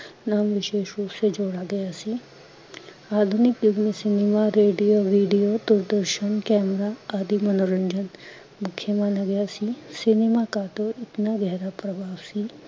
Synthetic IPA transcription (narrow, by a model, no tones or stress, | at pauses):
naːmʋɪʃeːʃuːpsed͡ʒoːɽaɡɐjasi | aːd̪ʱunɪkjuɡnisɪnimaɾeːɖijoʋiːɖijod̪ʊɾd̪əɾʃənkɛːmɾaaːd̪ʱimɐnoɾəɲd͡ʒən | mʊkʰjəmaːnaɡɐjasisɪnimakat̪oɪt̪naɡɛɦɾapɾɐbʱaːʋsi